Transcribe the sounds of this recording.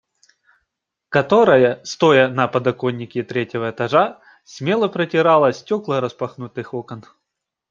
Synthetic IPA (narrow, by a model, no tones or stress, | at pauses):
kɐt̪o̞ɾɐjəst̪o̞jɐnɐpɐd̪ɐkonʲːɪkʲɪt̪ɾʲetʲɪvəɛt̪ɐʐa | sʲmʲe̞lˠəpɾətʲɪɾalˠɐsʲtʲoklˠəɾɐspɐxnut̪ɨxokən